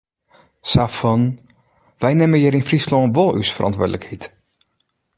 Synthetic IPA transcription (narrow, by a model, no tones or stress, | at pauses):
safɑn | ʋɛjnɛməjiɾɪnfrislɔʋɔlˠy̰sfərʔɑ̰ntʋʊ̰ːdələkhɛt